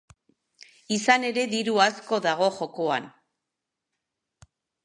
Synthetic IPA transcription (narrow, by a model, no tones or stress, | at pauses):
isane̞ɾe̞ðiɾuasko̞ðaɣ̞o̞ʝo̞koan